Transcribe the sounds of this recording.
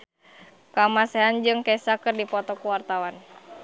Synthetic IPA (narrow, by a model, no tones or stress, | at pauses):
kamasɛɦand͡ʒɨŋkɛsakɨrdipɔt̪ɔkuwart̪awan